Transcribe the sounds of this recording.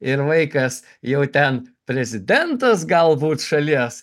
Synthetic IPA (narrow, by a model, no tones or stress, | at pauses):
ɪɾʋɐɪkɐs | jɛʊt̪ʲɛnpʲɾʲɛzʲɪd̪ʲɛnt̪ɐsɡɐlˠbuːt̪ʃɐlʲiɛs